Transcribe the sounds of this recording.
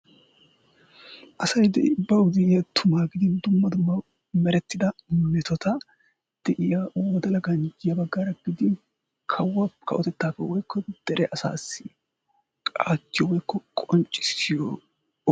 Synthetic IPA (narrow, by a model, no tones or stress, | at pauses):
ʔɐsɐjd̪ɛʔbːɐwʊd̪ɪɪjɐt̪ʰʊmaːɡɪd̪ɪnd̪ʊmːɐd̪ʊmːɐ | mɛɾɛt̪ːɪd̪ɐmɛt̪ɔt̪ɐ | d̪̥ɛʔɪjawɔd̪ɐlɐɡɐnd͡ʒɪjɐbɐɡːaːɾɐɡɪd̪ɪ | kʰɐwːɐkʰɐ̰ʔɔt̪ɛt̪ːaːfɛwɔjkʰːɔd̪̥ɛɾʔɛʔɐsa̰ːsːɪ̥ | kʼa̰ːt̪ːɪjɔwɔjkʰːɔkʼɔnt͡ʃʼːɪ̥sɪjɔ